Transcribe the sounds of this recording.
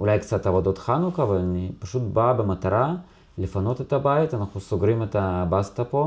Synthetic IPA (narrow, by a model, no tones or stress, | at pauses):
ʔulajk̪t͡sat̪avad̪ot̪xanukavalpaʃut̪babemat̪aɾˤa | lefanot̪et̪abajt̪anaχnusoɡɾimet̪abast̪apo